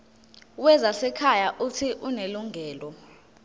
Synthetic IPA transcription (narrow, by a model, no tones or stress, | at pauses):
wɛzasɛkʰajaʔutʰiʔuneluŋʱɛːlɔ